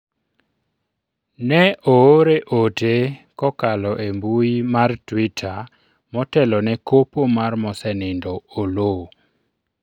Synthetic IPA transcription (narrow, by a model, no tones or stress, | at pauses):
nɛʔooɾeʔotekɔkalɔʔembuimartwitʰa | mɔtɛlɔnɛkopomarmɔsɛnɪndɔolo